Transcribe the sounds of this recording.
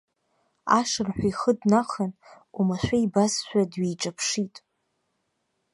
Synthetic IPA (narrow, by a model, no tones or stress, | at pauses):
aʂɨrħʷᶣaiχədnaχan | umaʃʷᶣaibasʃʷᶣadɥejʈ͡ʂʼapʰʂitʼ